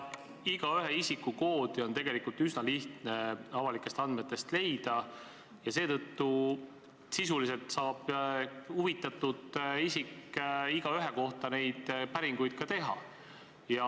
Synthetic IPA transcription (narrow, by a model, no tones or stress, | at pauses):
iɡ̥ɑyɦeisikːˑuko̞ːd̪̥io̞nt̪e̞ɡe̞likult̪ysnɑliht̪ne̞ɑvɑlikːˑe̞st̪ɑnd̪met̪ːˑe̞st̪le̞jd̪̥ɑ | jɑse̞ːt̪ɤ̞t̪ːu | sisulis̬e̞lt̪sɑːb̥huvit̪ːˑɑt̪ːud̪isikːiɡ̥ɑyɦe̞ko̞ht̪ɑne̞jd̪̥pæɾiŋɡ̥ujd̪̥̚kɑt̪e̞ɦɑ̰ | jɑ